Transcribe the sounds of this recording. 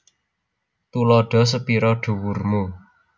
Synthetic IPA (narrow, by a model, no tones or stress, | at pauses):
t̪ulɔɖ̥ɔ̤s̬əpiɾɔɖ̥ṳwurmu